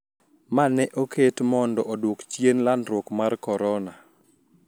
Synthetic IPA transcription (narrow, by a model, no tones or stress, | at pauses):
manɛʔoketmɔndɔʔɔdwokt͡ʃjenlanɾwokmarkɔɾɔna